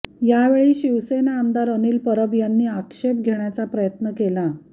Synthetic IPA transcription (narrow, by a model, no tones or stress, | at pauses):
jaʋeɭiːɕiʋsenaːmd̪aɾəniːlpəɾəbjanːiːakʂep̚ɡʱeɳjat͡sapɾəjət̪nəkela